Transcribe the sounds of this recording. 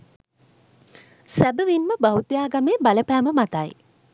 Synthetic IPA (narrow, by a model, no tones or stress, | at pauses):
sæbəʋinməbaɦut̪ijaːɡameːbaləpæːməmat̪aj